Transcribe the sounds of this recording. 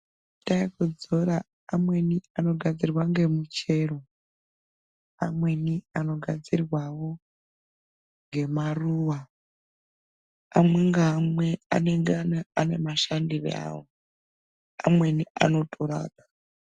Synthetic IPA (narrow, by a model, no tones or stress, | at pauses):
taikod͡zoɾaː | mwe̞niano̞ɡʱad͡zirwaŋɡe̞mut͡ʃe̞ːro | a̰mwe̞niano̞ɡʱad͡zirwawo̞ | ŋɡe̞maruːwa | amweŋɡaɦamwea̰neŋɡanaane̞maʃandirḛa̰ːwo | a̰mwe̞nia̰no̞tʼoɾa̰ːɗa